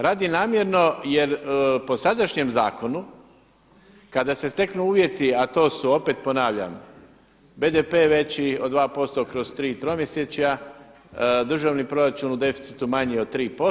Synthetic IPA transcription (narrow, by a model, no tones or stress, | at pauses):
ɾaːd̪inaːmje̞ɾno̞je̞ɾpo̞sad̪aʃɲe̞mza̰ːko̞nu | kad̪ase̞st̪e̞knuuːʋje̞t̪iat̪o̞ːsuo̞peːt̪po̞naːʋʎa̰m | be̞ːd̪epe̞ːʋe̞t͡ɕio̞d̪ʋaːpo̞st̪o̞kɾo̞zt̪ɾiːt̪ɾomje̞set͡ʃja | d̪r̩ʒaʋniːpɾo̞ɾat͡ʃunud̪e̞fi̥t̪si̥t̪umaɲiod̪̚t̪ːɾiːpo̞